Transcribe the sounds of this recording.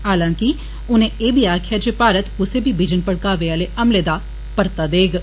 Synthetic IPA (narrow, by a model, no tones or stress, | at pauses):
ɦaːlãːkɪ | ʊnẽːeːbʱiːaːkʰɪjaːd͡ʒeːpaːɾət̪ʊseːbiːbɪd͡ʒənpəɽkaːʋeːaːleːʔəmleːd̪aː | pəɾt̪aːd̪eːɡ